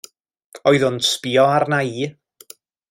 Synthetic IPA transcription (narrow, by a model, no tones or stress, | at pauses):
ɔɨðʊnspiɔarnaiː